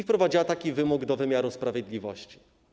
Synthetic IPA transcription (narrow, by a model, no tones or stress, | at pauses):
ifpɾɔvad͡ʑiwat̪akʲivɘmuɡd̪ɔvɘmʲjaɾuspɾavʲjɛd̪lʲivɔɕt͡ɕi̥